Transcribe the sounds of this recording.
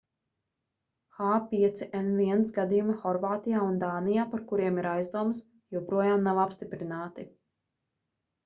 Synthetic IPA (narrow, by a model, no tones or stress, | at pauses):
xaːpiɛt̪siʔɛnviɛnt̪sɡad̪ijumixɔɾvaːt̪ijaːund̪aːnijaːpaɾkuɾiɛmiɾajzd̪uɔms | jɛwpɾuɔjaːmnavapst̪ipɾinaːt̪i